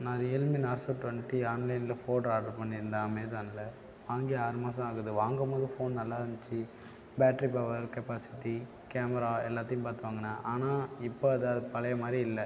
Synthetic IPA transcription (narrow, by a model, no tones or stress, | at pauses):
naːɾɪɛlmɪnaːɾsoːʈʋɐɳʈiaːnlɐɪnɪlɐfoːʈaːʈɐɾpɐɳːɪɾɯnd̪aːɐmeːs̬aːnɪlɐ | ʋaːŋɡiaːɾɯmaːs̬ɐ̃aːɣɐðɯʋaːŋɡɐpoːðɯfoːnnɐlːaːɾɐnt͡ʃːɯ | baːʈɾipɐʋɐɾkɛpaːsɪ̥ʈːi | keːmɛɾaːɛlːaːt̪ːɐjʊ̃paːɾt̪ɯʋaːŋɡɐnːaːʔaːnaːɪpːoɐðɐðɯpɐlɐjɐmaːd̪ɾiɪlːɛ